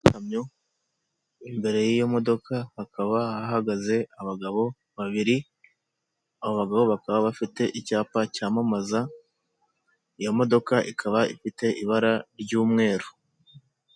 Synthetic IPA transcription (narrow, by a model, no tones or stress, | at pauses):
tamɲo | imbe̞ɾe̞jijomo̞do̞kʰahːkaβaaɦaɡaze̞aβaɡaβo̞ | βaβiɾi | aβo̞βaɡaβo̞βakaβaβafite̞ʔicaːpacaːmamaza | ijo̞mo̞do̞kaʔikʰaβaifite̞ʔiβaɾaɾɟuːmŋe̞ːɾo